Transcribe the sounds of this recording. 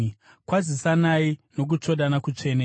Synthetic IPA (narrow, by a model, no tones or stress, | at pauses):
kwazisanaino̞k̬ut͡ʂo̞ɗanakut͡ʂeːne